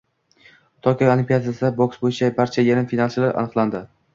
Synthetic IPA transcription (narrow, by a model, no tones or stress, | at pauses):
t̪ʰɒkʲʰaolˠimpʲijad̪asɪd̪aboksbojɪt͡ʃʰabaɾt͡ʃʰajaɾɪmfinalˠt͡ʃɪlaɾʔa̰nɨqlˠand̪ɪ